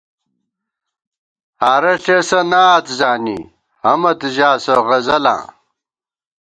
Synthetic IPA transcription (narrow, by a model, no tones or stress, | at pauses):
aːɾɐɬesɐnaːt̪zaːnḭ | hɐmɐt̪ʑaːsɐʁɐzɐlã̰ː